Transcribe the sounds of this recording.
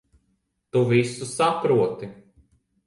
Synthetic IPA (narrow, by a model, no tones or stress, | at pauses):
t̪uvisusapɾuɔt̪i